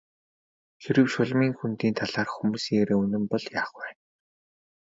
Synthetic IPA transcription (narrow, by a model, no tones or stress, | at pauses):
xiɾɘ̆wʃʊɮmiːŋxunt̪iːnt̪ʰaɮaːrxumuːsiːɣeɾeːɵnɘ̆mpɔɮjaːχwæːn